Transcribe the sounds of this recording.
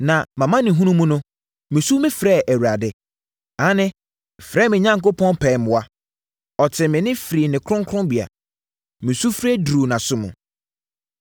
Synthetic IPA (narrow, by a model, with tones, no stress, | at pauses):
nã˨mã˨mã˦nɪ̃˨ɦũ˦nũ˦mũ˦nʊ̃˦ | mɪ̃˨su˦mɪ̃˦fɾɛː˦˨ʔæ˨wu˨ɾa˨dɪ˦ | ã˨˦nɪ̃˦˨ | fɾɛː˦˨mɪ̃˨ɲã˦ŋko˦pʰɔ̃˦npʰɛ̃˨mʊ̃˨wa˦ | ɔ˨tʰɪ˨mɪ̃˨nɪ̃˦fɾi˨nɪ̃˨kʰɾʊ̃˦ŋkʰɾʊ̃˦bi˨a̰˨ | mĩ˨su˦fɾɛ˦dɾu˨nã˨sʊ˦mṵ̃˨